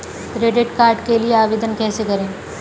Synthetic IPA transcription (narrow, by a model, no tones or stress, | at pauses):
kɾeːɖɪʈkaːɾʈkelijeaːʋeːd̪ənkɛːsekɐɾẽː